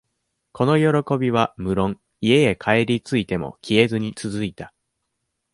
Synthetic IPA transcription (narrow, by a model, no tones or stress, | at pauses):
ko̞no̞jo̞ɾo̞ko̞bʲiβ̞amɯ̟ɾõ̞ŋ | ie̞ekʰae̞ɾʲit͡sɨit̪e̞mo̞̰kʲʰie̞zɨɲ̟it͡sɨzɨit̪a